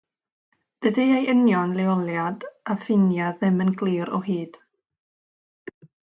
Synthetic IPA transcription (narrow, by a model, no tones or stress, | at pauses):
d̥ədiejʔənjɔnlˠɛɔlˠjadafɪnjaðɨmənɡlˠiːɾɔ̰ɦiːd̥